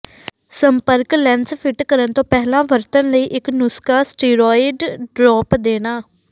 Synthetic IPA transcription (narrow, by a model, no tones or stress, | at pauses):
səmpəɾklɛ̃ːnspʰɪʈkəɾənt̪õːpɛɦlãːʋəɾt̪ənləiːʔɪknʊskaːsʈiːɾɔːɪɖɖɾɔːpd̪eːnaː